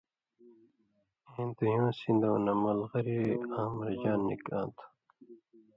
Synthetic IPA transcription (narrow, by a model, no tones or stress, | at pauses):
ẽːnd̪ujõːsĩnd̪oːnɐmɐlʁɐɾiaːmɐɾd͡ʑaːnːḭkã̰ːnt̪ʰu̥